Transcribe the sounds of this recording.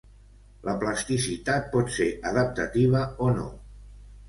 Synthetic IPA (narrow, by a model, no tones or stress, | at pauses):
ləpləst̪isit̪at̪̚pɔt̪seɾʔəð̞əp̚t̪ət̪iβ̞əono̰